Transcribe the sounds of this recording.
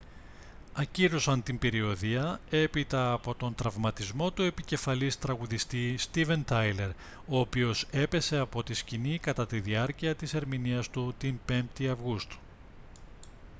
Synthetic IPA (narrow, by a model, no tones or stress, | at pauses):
ɐciɾosɐnt̪imbe̞ɾio̞ðiɐe̞pit̪ɐːpo̞t̪o̞nt̪ɾɐvmɐt̪izmo̞t̪ue̞pice̞fɐlist̪ɾɐɣuðist̪ist̪ive̞nt̪ɐjle̞ɾ | o̞ːpio̞se̞pe̞se̞ɐpo̞t̪iscinikɐt̪ɐt̪iðiɐɾciɐt̪ise̞ɾminiɐst̪ut̪impe̞mpt̪iɐvɣust̪u̥